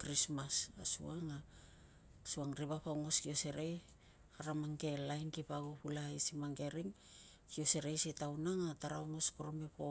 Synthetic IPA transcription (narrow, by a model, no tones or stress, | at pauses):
kɾismasasṵaŋa | suaŋɾibapawŋo̞skio̞se̞ɾej | aɾamaŋke̞lajnkipaɡopulaisimaŋɡe̞ɾiŋ | kio̞se̞ɾejsitawnaŋataɾaoŋo̞skoɾomepo